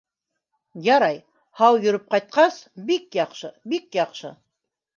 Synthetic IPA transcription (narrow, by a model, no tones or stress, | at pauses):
jɑɾɑj | hɑwjɵ̆ɾɘp̚qɑjt̪̚qɑsbikjɑqʃɤbikjɑqʃɤ̰